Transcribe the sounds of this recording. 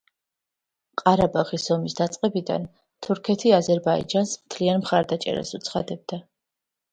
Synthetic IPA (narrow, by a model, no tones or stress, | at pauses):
qʼaɾabaʁisɔmisd̪at̪sʼqʼɛbid̪a̰n | t̪ʰuɾkʰɛt̪ʰiazɛɾbaḭd͡ʒansmt̪ʰlianmχaɾd̪at͡ʃʼɛ̰ɾa̰sut̪sʰχa̰d̪ɛb̚d̪a